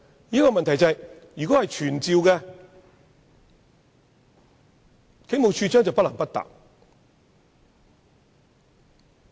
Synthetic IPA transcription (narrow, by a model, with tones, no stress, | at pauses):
liː˨˥kɔː˧mɐ˨nt̪ʰɐ˨˩jt͡sɐ˨j | jyː˨kɔː˨˥hɐ˨jt͡ʃʰyː˨˩nt͡siː˨˧wkɛ˧ | kʰe˨˥mo˨wt͡ʃʰyː˧t͡sœː˥ŋt͡sɐ˨wpɐ˥tlɐ˨˩mpɐ˥t̚t̪a̰ː˨k̚